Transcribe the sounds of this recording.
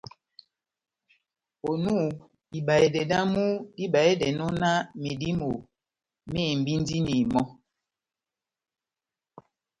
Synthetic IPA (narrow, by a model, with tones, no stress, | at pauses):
o˨nu˦˨ | i˨ba˨e˨dɛ˨da˦mu˦di˦ba˨e˦dɛ˨nɔ˦na˦me˨di˦mo˨ | me˦˨m˨bi˦n˦di˦ni˨mɔ˦